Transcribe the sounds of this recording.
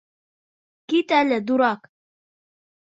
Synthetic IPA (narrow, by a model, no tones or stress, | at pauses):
kit̪alad̪uɾɑk